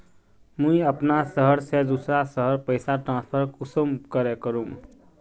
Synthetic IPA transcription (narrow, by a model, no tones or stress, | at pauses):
mũiəpnasəɦəɾsed̪usɾasəɦəɾpəjsaʈɾãnspʰəɾkusəmkəɾekəɾum